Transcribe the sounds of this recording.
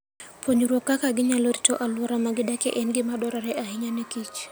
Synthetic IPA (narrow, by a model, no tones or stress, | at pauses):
poɲuɾwɔkːakaɡɪɲaloritoʔalwɔɾamaɡɪdakɛ̰ʔɛnɡɪmadɔɾaɾɛʔaɦɪɲanɛkit͡ʃ